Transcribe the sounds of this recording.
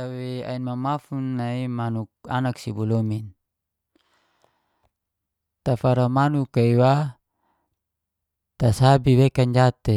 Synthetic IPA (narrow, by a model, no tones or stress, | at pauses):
awea̰inmamafunːaimanuk̚anaksibulomin | t̪afaɾamanukaiwa | t̪asabiwekaɲd͡ʒat̪e